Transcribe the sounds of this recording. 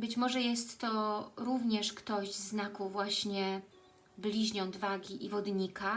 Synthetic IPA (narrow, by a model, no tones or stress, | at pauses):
bɘt͡ɕmɔʐɛjɛst̪ːɔɾuvɲɛʂkt̪ɔʑznakuvwaɕɲɛ | blʲiʑɲɔd̪vaɡʲiʔivɔd̪ɲika